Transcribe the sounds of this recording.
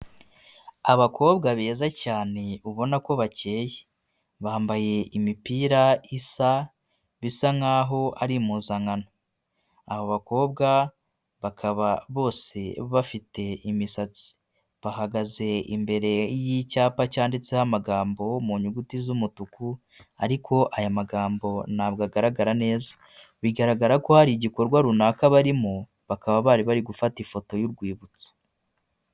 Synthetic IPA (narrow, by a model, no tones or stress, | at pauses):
aβakʰo̞ːβɡaβeːzacaːne̞uβo̞nako̞βace̞ːje | βaːmbaje̞imipiːɾaisa | βisaŋaːɦo̞aɾimuːzaŋano | ahoβako̞ːbɡa | βakʰaβaβo̞ːse̞βafite̞imisat͡si̥ | βahaɡaze̞ḭmbe̞ɾe̞jicaːpacaːndit͡se̞hamaɡaːmbo̞muɲuɡutizumutuku | aɾikʰo̞ʔajamaɡaːmbo̞nabɡaɡaɾaɡaɾane̞ːzḁ | βiɡaɾaɡaɾako̞haɾiɟiko̞ɾɡwaɾunakaβaɾimo | βakaβaβaːɾiβaɾiɡufatifo̞to̞juɾɡwiːβut͡so̥